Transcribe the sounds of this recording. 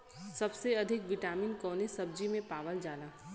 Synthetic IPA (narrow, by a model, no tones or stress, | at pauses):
sɐbseɐd̪ʱɪkʋɪʈaːmiːnkɔːnesɐb̚d͡ʒimẽpaːʋəld͡ʒaːlaː